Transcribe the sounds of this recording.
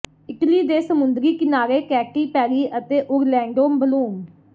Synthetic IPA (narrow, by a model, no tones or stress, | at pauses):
ɪkliːd̪eːsəmʊnd̪ɾiːkɪnaːɾeːkɛːʈiːpɛːɾiːʔət̪eːʔʊɾlɛ̃ːɳɖoːmbəluːm